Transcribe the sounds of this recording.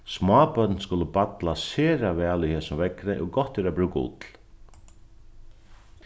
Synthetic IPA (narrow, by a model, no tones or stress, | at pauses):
smɑːpœt̪nskʊləpat̪laseːɾavɛːlihɛːsʊmvɛkɾɪʔɔɣɡɔht̪ːɛɾapɾʉːkaʊ̰t̪l̥